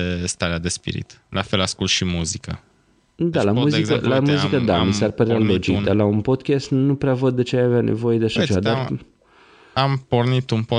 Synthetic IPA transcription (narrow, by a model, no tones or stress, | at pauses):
est̪aɾead̪espḭɾḭt̪ | lʔafelaskult̪ʃimuzikə | d̪alamuzizəlamuzikəd̪amisearpəɾealo̞d͡ʒikd̪arlaunpo̞d̪kʲast̪nupɾeavəd̪ːe̞t͡ʃeajaveanʔe̞̰vo̞je̞d̪eaʃat͡ʃe̞vad̪ar | ampornit̪unpo